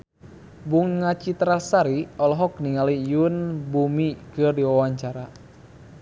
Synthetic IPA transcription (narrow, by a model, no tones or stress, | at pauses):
buŋːat͡ʃit̪ɾasaɾiɔlɔɦɔk̚niŋalijunbumikɨrdiwawaɲt͡ʃaɾa